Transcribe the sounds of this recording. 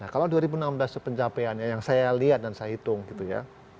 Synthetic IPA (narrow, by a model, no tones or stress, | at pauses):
nahkaladuaɾibunamblasəpəɲt͡ʃapeanjajaŋsajaliat̪̚dansajaɦit̪ʊŋɡit̪uja̰